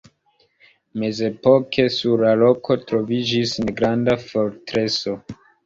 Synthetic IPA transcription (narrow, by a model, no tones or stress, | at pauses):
me̞ze̞po̞kʰe̞suɾlalo̞kʰo̞tɾo̞vid͡ʒisneɡɾandafo̞ɾtɾe̞so̞